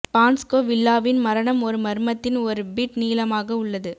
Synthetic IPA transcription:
paːnskoːʋɪlːaːʋɪnmɐɾɐɳɐmɔɾɯmɐɾɯmɐt̪ːɪnɔɾɯbiʈniːlɐmaːɣɐʊɭːɐðɯ

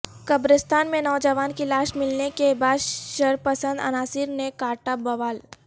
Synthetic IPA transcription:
kɐbɾəst̪ʰaːnmẽnɔːd͡ʒəʋaːnkilaːʃmɪlnekebaːd̪ʃɐɾpəsə̃nd̪ɐ̰naːsɪɾnekaːʈabɐʋaːl

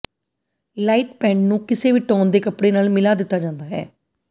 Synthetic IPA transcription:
laːiːʈpɛ̃ːɳɖnũːkɪseːʋiːʈɔːnd̪eːkəpɽeːnaːlmɪlaːd̪ɪt̪ːaːd͡ʒãːnd̪aːɦɛ̰ː

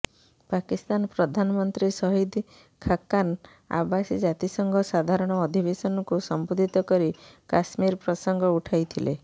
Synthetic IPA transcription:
pakist̪anɔpɾɔd̪ʱanɔmɔnt̪ɾisɔɦid̪ | kʰakːan | a̰basid͡ʒat̪isɔŋɡʱɔsad̪ʱaɾɔɽ̃ɔːd̪ʱibesɔnɔkusɔmbud̪ʱit̪ɔkɔɾikasmiɾpɾɔsɔŋɡʱɔuʈʰajt̪ʰile

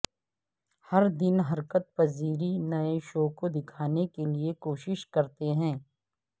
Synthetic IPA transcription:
hɐɾd̪ɪnɦɐɾkət̪̚pɐziːɾinɐeʃoːkod̪ɪkʰaːnekeliekoːʃɪʃkɐɾt̪eɦɛ̃ː

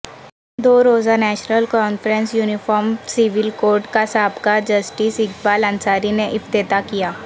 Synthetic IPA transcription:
d̪oːɾoːzanɛːʃnəlkɔːnfɾənsjuːnɪfɔːɾmsɪʋɪlkoːɾʈkasaːbkaːɾd͡ʒɐsʈiːsɪkbaːlə̃nsaːɾineʔɪft̪eːt̪akijaː

